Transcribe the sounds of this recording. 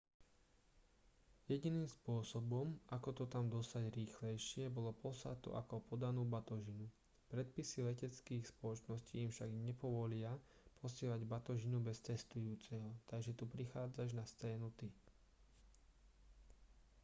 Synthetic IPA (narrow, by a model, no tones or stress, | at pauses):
jɛɟiniːmspʊɔsɔbɔmakɔt̪ɔt̪amd̪ɔst̪aɟɾiːxlɛjʃɪɛbɔlɔpɔsa̰t̪ṵʔakɔpɔd̪anuːbat̪ɔʒinu | pɾɛt̪̚pisilɛcɛt͡skiːxspɔlɔt͡ʃnɔsciːmfʃaɡɲɛpɔʋɔlɪapʰɔsɪɛlaɟbat̪ɔʒinubɛst̪ɛst̪ujuːt͡sɛɦɔt̪aɡʒɛt̪upɾixaːd͡zaʒnast͡sɛːnut̪i